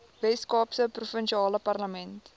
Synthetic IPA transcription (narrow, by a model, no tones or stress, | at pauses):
vɛskɑːpsəprufənʃiɑːləpɐrləmɛnt